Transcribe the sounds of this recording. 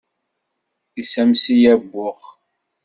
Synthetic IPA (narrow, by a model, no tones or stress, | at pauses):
isæmsijæbːʊχ